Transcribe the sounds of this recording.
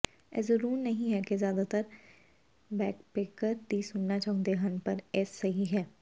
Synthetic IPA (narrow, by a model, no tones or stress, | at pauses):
ɛ̰ːzɐɾuːɾnɐɦĩɦɛkezjaːd̪at̪əɾ | bɛːk̚peːkəɾd̪iːsʊnːat͡ʃaːɦõd̪eɦanpɐɾɛːsːɐɦiɦɛː